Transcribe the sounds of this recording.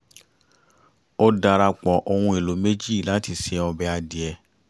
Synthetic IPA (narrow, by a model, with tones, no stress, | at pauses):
o˦da˧ɾa˧k͡pɔ˨ʔo˧hũ˧e˨lo˨˦me˦d͡ʒi˦˨la˨˦ti˧˨sɛ˨˧ɔ˧bɛ˧a˧di˨ɛ˧